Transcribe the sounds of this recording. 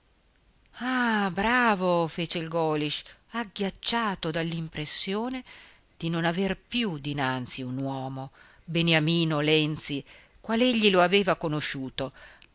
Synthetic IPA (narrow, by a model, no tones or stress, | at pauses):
abɾaːvofeːt͡ʃeilɡɔːliʃaɡːjat͡ʃːaːt̪od̪alːimpɾesːjoːne | d̪̥inonaverpjud̪inant̪siunwɔːmo | beneamiːnolɛnt̪si | kwaleʎːiloaveːvakonoʃuːt̪o